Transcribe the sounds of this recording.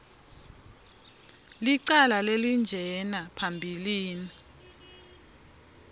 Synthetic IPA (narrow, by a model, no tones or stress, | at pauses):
liǀalalelind͡ʒʱɛnapʰambʱiliːni